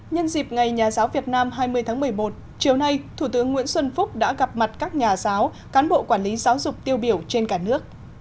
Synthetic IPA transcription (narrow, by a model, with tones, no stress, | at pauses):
ɲə˧nzi˨˩p̚ŋa˨˩jɲaː˨˩zaː˨˦wvi˨˩ət̚naː˧mɦaː˧jmɨ˧əjt̪ʰaː˨˦ŋmɨ˨˩əjmo˨˩t̚ | t͡ɕi˨˩əwna˧jt̪ʰu˧˩t̪ɨ˨˦əŋːw̰ənswə˧nfʊ˦˥k͡p̚ɗa̰ː˧˥ɣa˨˩p̚ma˨˩t̚kaː˦˥k̚ɲaː˨˩zaː˨˦w | kaː˨˦nɓo̰˧˨kwaː˧˩nli˨˦zaː˨˦wzʊ˨˩k͡p̚t̪i˧əwɓi˧˩əwt͡ɕe˧nkaː˧˩nɨ˦˥ək̚